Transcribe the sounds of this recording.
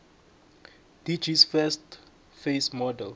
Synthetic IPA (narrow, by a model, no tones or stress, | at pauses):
d̥id͡ʒisfɛst | fesmɔdɛl